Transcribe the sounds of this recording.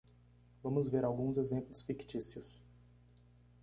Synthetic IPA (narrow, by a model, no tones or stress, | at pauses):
vɐ̃mʊzveɾawɡũzezẽmplʊsfikt͡ʃisiʊs